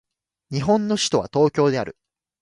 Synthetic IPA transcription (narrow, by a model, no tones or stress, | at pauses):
ɲ̟iɦõ̞nːo̞ɕi̥t̪o̞βat̪o̞ːkʲo̞ːd̪e̞aɾɯ̟̰